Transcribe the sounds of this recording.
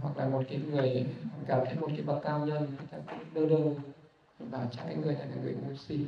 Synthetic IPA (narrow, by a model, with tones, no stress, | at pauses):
ɦwa˨˩k̚laː˨˩mo˨˩t̚kaː˨˦jŋɨ˨˩əjkaː˨˩mt̪ʰə˧˦jmo˨˩t̚kaː˨˦ɓə˨˩t̚kaː˧wɲə˧nnɨ˨˩˨jt̪aː˧kʊ̰˧˥ŋ͡mɗəː˧ɗə˧w | vaː˨˩t͡ɕɔ˧˩ka̰ː˨˦ŋɨ˨˩əjt̪aː˧˩kaː˧˩ŋɨ˧˨˩ə˨jmu˧si˧